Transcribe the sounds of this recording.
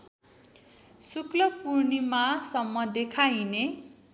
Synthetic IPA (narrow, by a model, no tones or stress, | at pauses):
suklʌpurnimasʌmːʌd̪ekʰajne